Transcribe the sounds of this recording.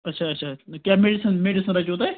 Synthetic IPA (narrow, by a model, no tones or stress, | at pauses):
ɐtːʃʰaːɐtːʃʰaːkjaːmeːɖisənmeːɖisənɾɐt͡ʃoːt̪a